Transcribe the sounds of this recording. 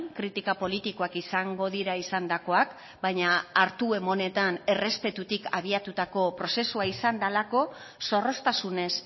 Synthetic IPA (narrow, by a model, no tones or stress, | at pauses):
ŋkɾit̪ikapo̞lit̪iko̞akisaŋɡo̞ðiɾaisand̪ako̞ak | bajɲaːɾt̪ue̞mo̞ne̞t̪ane̞re̞spe̞t̪ut̪ika̰βiat̪ut̪ako̞pɾo̞se̞suaisand̪alako̞ | so̞ro̞st̪asune̞s